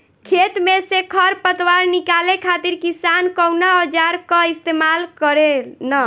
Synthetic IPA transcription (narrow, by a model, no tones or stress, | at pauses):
kʰet̪mesekʰəɾpət̪waɾnikalekʰat̪iɾkisankəwnaɔd͡ʒaɾkəist̪emalkəɾena